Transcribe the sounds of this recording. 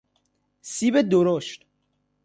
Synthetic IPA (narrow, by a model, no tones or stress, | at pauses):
sibed̪oɾoʃt̪